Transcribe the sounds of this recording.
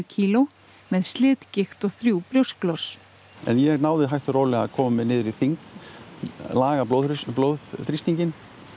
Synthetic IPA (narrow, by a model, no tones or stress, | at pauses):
cʰiːlo | mɛðst̪lɪːt̪cɪxt̪ɔɣθɾjuwpɾjow̥sklɔs | ɛ̰njɛɣnaːwðɪɦajht̪ʏɾoːlɛɣakʰɔːmɪnɪːðɾʏθiŋk | laːɣap̪oplowðθɾist̪iɲcɪn